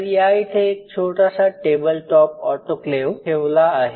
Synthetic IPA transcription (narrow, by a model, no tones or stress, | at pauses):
ɾijait̪ʰeːk̚t͡ɕʰoʈasaʈebəlʈɔp̚ɔʈokleʋkʰeʋlaːɦe